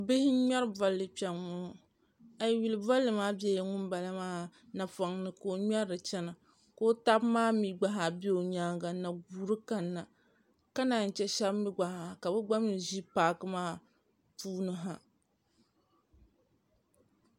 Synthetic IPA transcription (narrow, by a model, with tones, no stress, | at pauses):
bɪ˦hɪ˦ɲa˦ɾba˦lːɨ˨pɛ˨ʊ˦˨ | a˨jwi˨lɨ˨ba˦lːɨ˨maː˦bɛ˦jŋʊ˦nba˨la˦maː˦na˨fa˨ŋnɨ˨ko˨ɲɛ˦ɾɨ˨t͡ʃɛ˦na˨ | ko˦ta˦bmaː˦mi˦ɡ͡ba˦ɦa˨bi˦o˨ɲaː˦ɡa˨na˨ɡuː˨˦ɾɨ˦ka˨nːa˨ | ka˦na˨n̩˨t͡ʃɛ˦ʃa˦bmi˦ɡ͡ba˨ha˨ka˨bɛ˦ɡ͡ba˦mɨ˨ʒi˦paː˨˦kɨ˦maː˦˨ | puː˦nɨ˦ɦa˨